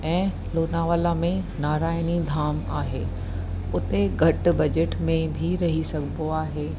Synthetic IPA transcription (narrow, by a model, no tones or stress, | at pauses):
ɛ̃ː | loːnaːʋəlamẽnaːɾaːɪnid̪ʱaːmaːɦeː | ʊt̪eɡʱɐʈ̆bɐd͡ʑeʈmẽbʱiɾɐɦisɐɡʱɪboaːɦeː